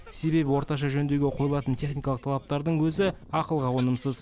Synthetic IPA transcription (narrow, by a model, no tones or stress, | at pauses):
se̞be̞bɪwo̞ɾt̪ɑʃ̬ɑʒɵnd̪eɡʲe̞qʰo̞jəlˠɑt̪ənt̪ʰe̞χnijkɑlˠəqt̪ʰɑlˠɑp̚t̪ɑɾd̪əɴwɵzɪɑqəlˠʁɑwo̞nəmsəz